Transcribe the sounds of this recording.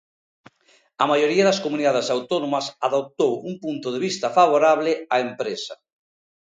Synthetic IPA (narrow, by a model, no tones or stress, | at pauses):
ɐmajoɾiɐðɐskomuniðaðesawt̪onomɐsaðop̚t̪owuŋpunt̪oðeβist̪ɐfaβ̞oɾaβlɪaempɾesɐ